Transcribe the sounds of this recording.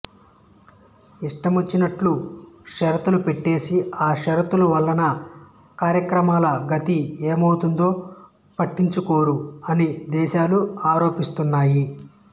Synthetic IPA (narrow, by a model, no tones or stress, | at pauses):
iʂʈɐmot͡ʃːinɐʈluʃɐɾt̪ulupeʈːe̞ːsiaːʃɐɾɐt̪uluʋɐlːɐnɐ | kaːɾjɐkɾɐmaːlɐɡɐt̪ieːmɐwt̪und̪o̞ː | pɐʈːiɲt͡ʃuko̞ːɾuɐnid̪ɛːʃaːluaːɾo̞ːpist̪unːaːji